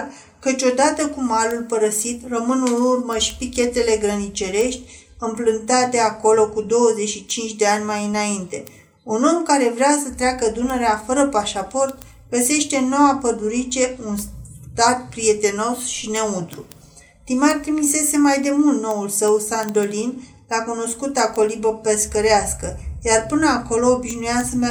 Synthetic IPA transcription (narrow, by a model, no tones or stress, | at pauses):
kət͡ʃʲo̞d̪at̪əkumaɾulpəɾəsit̪rəmɨnunurməʃi̥pikʲe̞t̪e̞le̞ɡɾənit͡ʃe̞ɾe̞ʃt̪ʲ | ɨmplɨnt̪at̪e̞ako̞lo̞kud̪o̞wəze̞ʃit͡ʃint͡ʃʲd̪e̞anʲmajɨnaint̪e̞ | uno̞mkaɾe̞vɾeasət̪ɾeakəd̪une̞ɾeafəɾəpaʃapo̞rt̪̚ | ɡəse̞ʃt̪e̞no̞wapəd̪uɾit͡ʃe̞unst̪at̪̚pɾije̞t̪e̞no̞sʃine̞ut̪ɾu | t̪imart̪ɾimise̞se̞majd̪e̞mult̪no̞ulsəwsand̪o̞lin | lakuno̞skut̪ako̞libəpeskəɾeaskəjarpɨnəako̞lo̞ːbiʃnujasəm